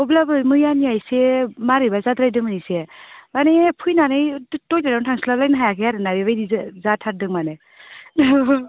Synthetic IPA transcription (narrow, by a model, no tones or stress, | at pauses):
ɔblabɯmɯjaniajsemaɾibazad̪ɾajdɯmanisebanepʰujnanɯjtojdanatʰaŋslalajnaɦajakʰeaɾɯnaɾibajdizatʰat̚dɯŋmane